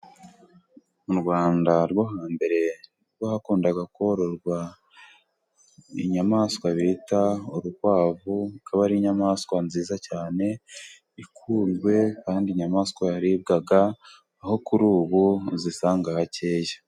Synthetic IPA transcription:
uɾɡwaːndaɾɡoɦaːmbe̞ɾe̞ | ɾwahakuːndaɡakhoɾoɾɡwa | ḭɲamaːskwaβitauɾuwaːvukʰaβaɾiɲamaːskwanziːzacaːne̞ | ikʰuːmɡwe̞kaːndiɲamaːskwajaɾibɡaɡaː | ho̞kuɾuːβuzisaːŋɡahaceːjḁ

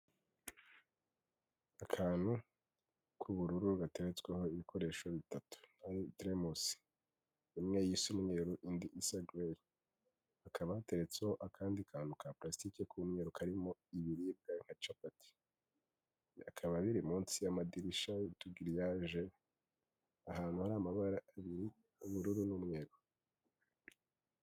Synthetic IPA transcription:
akʰaːn̥hu | kʰuβuɾuɾuɡate̞ɾet͡sweho̞iβikʰo̞ɾe̞ːʃo̞βitatu̥najodɾemusi̥ | imŋe̞jisumŋeɾuʔindiʔisaɡweɾi | hakʰaβahate̞ɾe̞t͡sehoʔakʰaːndikʰaːnhukaplastikekʰumŋe̞ɾukʰaɾimoiβiɾib̚ɡaŋ̥at͡ʃapati̥ | akʰaβaβiɾimuːnsijamadiɾiʃautuɡiɾijaʒe | ahaːn̥huhaɾaːmaβaɾaaβiɾi | uβuɾuɾunumŋeːɾu

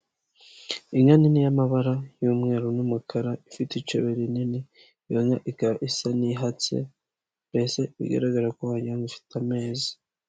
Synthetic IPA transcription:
iɲaninijamaβaɾajumŋe̞ːɾonumukʰaɾaifitit͡ʃeβeɾinini | joŋaʔikaɾaʔisaniɦat͡sḛ | mbeseβḭɡa̰ɾaɡaɾakohaɲaŋifi̥tʰame̞ːzi̥

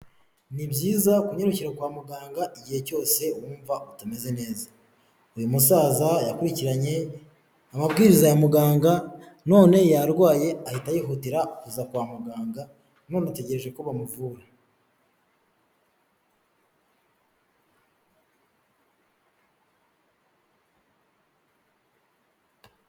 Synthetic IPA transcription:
nibɟiːzakuɲe̞ɾociɾakwaːmuɡaːŋɡaʔiɟihe̞co̞ːse̞wuːɱvautame̞ze̞ne̞ːzḁ | ujumusaːzajakuɾiciɾaɲe̞ | amabɡiːɾizajamuɡaːŋɡa | no̞ːne̞jaɾɡwaːje̞ahitajiːɦutiɾaukuzakwaːmuɡaːŋɡa | no̞ːnate̞ɟe̞ɾe̞ʒe̞koβamuvuːɾa

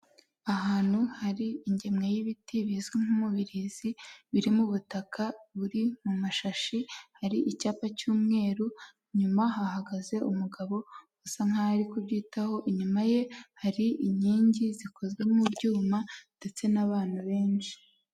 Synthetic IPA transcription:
aɦaːn̥huhaɾiiɲɟe̞mŋejiβitʰiβizɡeŋ̥umuβiɾiziβiɾimuβutakʰaβuɾimumaʃaʃihaɾiʔicaːpacuːmŋe̞ːɾu | ɲumaɦahaɡaze̞ʔumuɡaβo̞ | usaŋ̥aɾikubɟiːtaho̞ʔiɲumaje̞haɾiʔiɲiːɲɟizikʰo̞zɡemubɟuːmand̥e̞t͡se̞naβaːn̥huβe̞ːnʃi̥

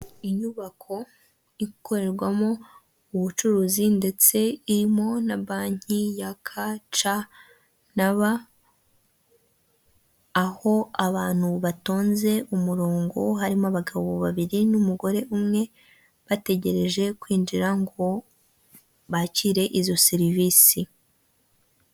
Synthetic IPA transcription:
iɲuβakʰo̞ | ikʰo̞ɾe̞ɾɡwamo̞ | uβut͡ʃuɾuzinde̞t͡se̞iɾimo̞naβaːɲ̥ijakʰat͡ʃa | naβa | ho̞aβaːn̥huβato̞ːnze̞umuɾo̞ːŋɡo̞ɦaɾimaβaɡaβoβaβiɾinumuɡo̞ɾe̞ʔumŋe̞ | βate̞ɟe̞ɾe̞ʒe̞kwiːnd͡ʒiɾaŋɡo̞ | βaciɾe̞ʔizo̞seɾiviːsi

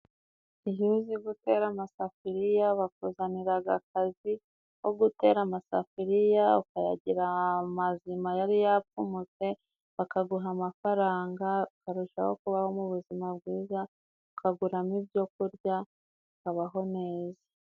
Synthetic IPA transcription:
ijuziɡute̞ːɾamasafiɾijaβakuzaniɾaɡa̰kazi | wo̞ɡute̞ːɾamasafiɾijaukaja̰ɟiɾamazimajaɾijap͡fumut͡se̞ | βakaɡuɦamafaɾaːŋɡaukaɾuʃa̰ho̞̰kuβaho̞muβuzimabɡwiːza | ukaɡuɾamibjo̞kuɾɟa | ukaβaɦo̞ne̞ːza

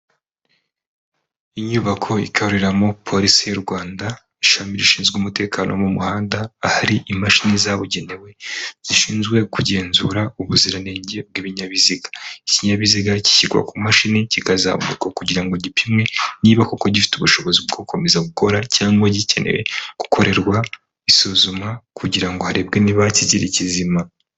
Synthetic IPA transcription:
iɲuβakʰo̞ḭkʰahuɾiɾamo̞pʰo̞ɾisijuɾɡwaːnda | iʃamiɾiʃiːnzɡumute̞ːkʰaːnʔomumuhaːndaːhaɾiʔimaʃinizaβuɟe̞ne̞we̞z̥iʃiːnzɡwe̞kuɟe̞ːnzuɾauβuziɾaneːɲɟeb̚ɡiβiɲaβiziɡḁiciɲaβiziɡaci̥çiɡwa̰kumaʃineciɡaza̰βṵkakuɟiɾaŋɡoɟipimŋe̞niːβakoko̞ɟifi̥tuβuʃo̞βo̞zibɡo̞ko̞me̞zaɡuko̞ɾacaːŋɡwaɟice̞̰nʔḛwḛku̥kʰo̞ɾʔe̞ɾɡwa | isuzumakʰuɟiɾaŋɡohaɾebɡeniβaciziɾicizima

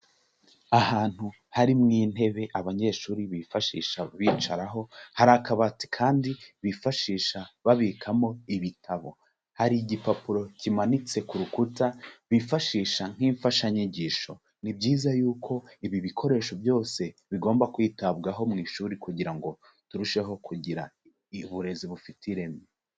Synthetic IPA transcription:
ahaːn̥hu | haɾimŋiːn̥he̞βe̞ʔaβaɲe̞ʃuːɾiβifaʃḭːʃaβiːt͡ʃaɾaɦo̞haɾakaβati̥kʰaːndiβifaʃiːʃaβaβikʰamo̞iβitʰaβo̞̰ | haɾiɟipapuɾo̞cimanit͡se̞kuɾukutaβifaʃiːʃaŋ̥hiɱfaʃaɲiɟiːʃo̞̰ | nibɟiːzajuːkʰo̞iβiβikʰo̞ɾe̞ːʃo̞vjo̞ːse̞βiɡo̞ːmbakwiːtaβɡaɦo̞mŋiːʃuːɾikuɟiɾaŋɡo̞ | tuɾuʃe̞ɦo̞kʰuɟiɾa̰ | βuɾe̞ziβufitʰiɾe̞me

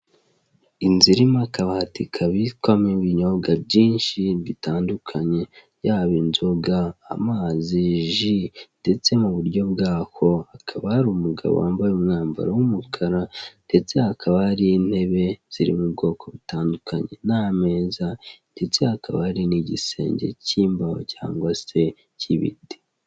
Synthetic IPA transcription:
inziɾimakaβahatikʰaβitkwameβiɲoɡabɟiːnʃiβitaːndukʰaɲe̞ | jaβinzoɡa̰ːmaːziʒind̥e̞t͡se̞muβuɾɟo̞bɡaːho̞akʰaβahɾumuɡa̰βo̰a̰ːmbajeumŋaːmba̰ɾawumukʰaɾande̞t͡se̞hakʰaβahaɾiin̥he̞βe̞z̥iɾḭmub̚ɡo̞ːko̞βitaːndukʰaɲe̞name̞ːzande̞t͡se̞hakʰaβahaɾiniɟḭse̞̰ːɲɟe̞̰ciːmbaho̰ca̰ːŋɡwase̞ | cʰiβḭde

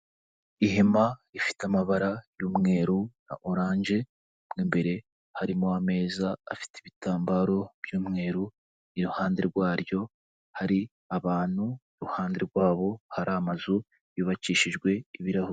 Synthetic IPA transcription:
iɦemaifi̥tamaβaɾajuːmŋe̞ːɾuna̰ʔoɾaːnʒe̞ | mɡiːmbe̞ɾe̞ | haɾimoame̞ːzaːfi̥tiβitaːmbaɾo̞b̥juːmŋe̞ːɾu | niɾuhaːnde̞ɾɡwaːɾjo̞ | haɾi | aβaːn̥huiɾuhaːnde̞ɾɡwaːβo̞haɾamazu | jiːβat͡ʃiːʃiʒɡwe̞iβiɾahu

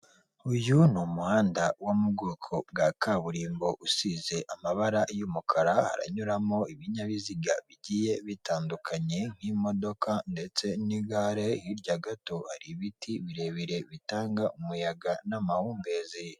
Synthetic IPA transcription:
ujunumuhaːndawomubɡoːkʰo̞b̚ɡakʰaβuɾiːmbo̞ʔusize̞ʔamaβaɾajuːmukʰaɾaha̰ɾa̰ɲuɾamo̞iβiɲaβiziɡaβiɟije̞βitaːndukʰaɲe̞ŋ̥himo̞do̞kande̞t͡se̞niɡaɾe̞jiɾɟaɡato̞ha̰ɾiβitiβiɾe̞βiɾe̞βitaːŋɡaumujaɡanamahuːmbe̞zi

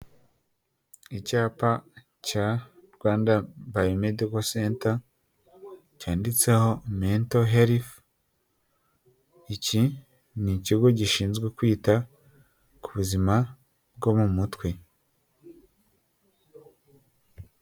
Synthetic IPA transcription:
icaːpa | caɾɡwaːndabajome̞diko̞seːnta | caːndit͡se̞ho̞meːntoɦeɾif | ici | niciɡo̞ɟiʃiːnzɡwekwiːta | kuβuzima | b̚ɡo̞mumutwe̞

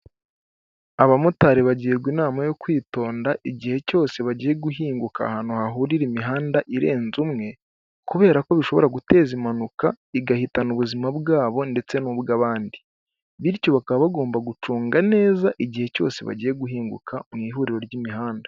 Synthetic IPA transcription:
aβamutaɾeβaɟieɾɡwinaːmajo̞kwiːto̞ːndaʔiɟihe̞co̞ːse̞βaɟiːje̞ɡuɦiːŋɡuka̰hanohaɦuɾiɾimiɦaːndaʔiɾe̞ːnzumŋe̞ | kuβe̞ːɾako̞βiʃo̞βo̞̰ɾaɡute̞ːzimanuka | iɡahitanuβuzimabɡaːβo̞nde̞t͡se̞nubɡaβaːndi | βiɾco̞βakaβaβaɡo̞ːmbaɡut͡ʃuːŋɡane̞ːzaʔiɟihe̞co̞̰ːse̞βa̰ɟiːje̞ɡuɦiːŋɡṵkʰamŋiːɦuɾiɾo̞ɾɟimiɦaːnda

